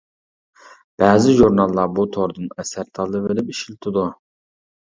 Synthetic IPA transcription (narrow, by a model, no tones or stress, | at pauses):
b̥æːzɪʒuɾnɑlˠːɑbut̪ʰoɾd̪ɨnɛsæɾt̪ʰɑlˠːɨvelɪpiʃilt̪ʰɪd̪u